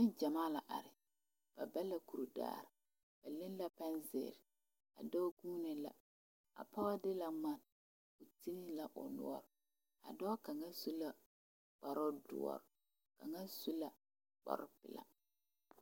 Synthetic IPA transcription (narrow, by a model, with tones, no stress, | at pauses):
mɪ˦nd͡ʒa˨maː˦la˨ʔa˨ɾɪ˨ | b̥a˨ba˦la˨ku˨ɾu˨da̰ː˨ɾɪ˨ | b̥a˨lɪ˦n˦la˦pɛ˦nzɪ̰˨ɾɪ˨ | a̰˨dɔ˦ɡuː˦nɪ˨la̰˦ | a̰˨pa˦wa˦dɪ˦la˦ma˨n | ʊ˨ti˦nɪ˦la˨ʔʊ̰˨nʊ̰˦ɔ˦ɾ | a̰˨dɔ˦ka˨ŋa˦su˦la˨ | k͡pa˨ɾʊ˦dʊ̰˦ɔ̰˦˨ɾ | ka˨ŋa˦su˦la˨ | k͡pɔ̰˨ɾʊ˦pɪ̰˨la̰˦